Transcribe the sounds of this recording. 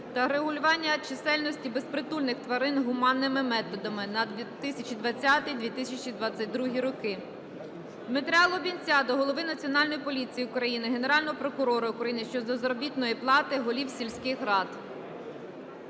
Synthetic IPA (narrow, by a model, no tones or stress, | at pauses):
t̪ɐɾeɦʊlʲʊʋɑnʲːɐt͡ʃɪsɛlʲnɔsʲtʲibe̞spɾɪt̪ulʲnɪxt̪ʋɐɾɪnɦʊmɑnːɪmɪmɛt̪ɔd̪ɐmɪnɐd̪ʲt̪ɪsʲɐt͡ʃid̪ʋɐt͡sʲːat̪ɪjd̪ʋʲit̪ɪsʲɐt͡ʃid̪ʋɑt͡sʲːɐt̚ʲd̪ɾuɦʲiɾɔkɪ | d̪met̪ɾʲɪɑlˠɔbʲinʲt͡sʲɑd̪ɔɦɔlˠɔʋɪnɐt͡sʲiɔnɑlʲnɔjipɔlʲit͡sʲijiʊkɾɐjinɪɦe̞neɾɑlʲnɔɦɔpɾɔkʊɾɔɾɐʊkɾɐjinɪʃt͡ʃɔzɐzɐɾɔbʲit̪nɔjiplˠɑt̪ɪɦɔlʲiwsʲilʲsʲkɪxɦɾɑd̪